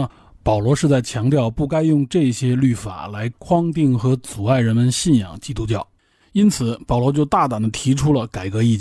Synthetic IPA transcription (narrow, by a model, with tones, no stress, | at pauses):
pɑ˨˩ʊlwɔ˧˥ʂɻ̩˥˧t͡sa˥˩ɪt͡ɕʰjɑ˧˥ŋt̪jɑ˥˧ʊpu˥˩ka˥ɪjʊ˥˧ŋʈ͡ʂɤ˥˩ɕjɛ˥ly˥˩fa̰˨˩la˧˥ɪkʰwɑ˥ŋt̪i˥˩ŋxɤ˧˥t͡su˨˩a˥˩ɪɻə˧˥nmə˧nɕi˥˩njɑ̰˨˩ŋt͡ɕi˥t̪u˥t͡ɕjɑ˥˩ʊ | i˥nt͡sʰɹ̩˨˩˦pɑ˨˩ʊlwɔ˧˥t͡ɕjo˥˧ʊt̪a˥˩t̪ɑ˨˩nd̪ə˦t̪ʰi˧˥ʈ͡ʂʰu˥lə˨ka˨˩ɪkɤ˧˥i˥˩t͡ɕ